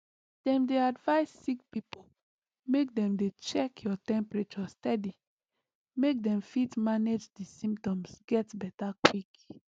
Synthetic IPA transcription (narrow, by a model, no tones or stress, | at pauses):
d̥ɛ̃mdeadvaɪsːikpipo | mek̚dɛ̃mdet͡ʃɛkʰjɔtɛ̃mpɹet͡ʃɔstɛdi | mek̚dɛ̃mfitmaned͡ʒdisĩmptɔ̃msɡɛtbɛtakwik